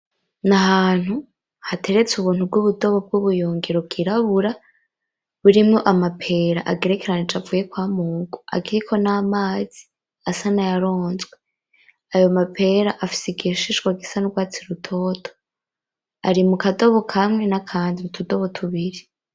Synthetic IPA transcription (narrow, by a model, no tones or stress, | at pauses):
naɦaːn̥hu | hatʰe̞ɾe̞t͡suβuːn̥ub̚ɡuβudo̞βo̞b̚ɡuβujuːŋɡeɾoɡiɾaβuɾa | βuɾimŋo̞ʔamapʰe̞ːɾa̰ʔaɡe̞ɾe̞keɾanit͡ʃavuːje̞kwaːmuːɡoa̰ɡiɾikʰo̞naːmaːz̥i | asanajaɾo̞ːnzɡwe | ajo̞mapʰe̞ːɾaʔafi̥siɡiʃiʃɡwaɡisanuɡwaːt͡siɾutʰo̞ːtʰo̥ | aɾimukado̞βo̞kʰamŋe̞nakʰaːndimutʰudo̞βo̞tʰuβiɾi